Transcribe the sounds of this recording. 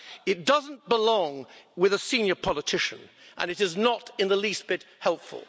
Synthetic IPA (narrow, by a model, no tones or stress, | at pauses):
ɨt̚d̥ʌzn̩b̥əlɔ̃ŋwɨðəsĩnjə˞pʰɑlˠətʰɪʃɨ̰̃nʔə̰̃nɨɾɨznəɾɨ̃nðəlist̚b̥ɪt̚hɛlˠpfə̰lˠ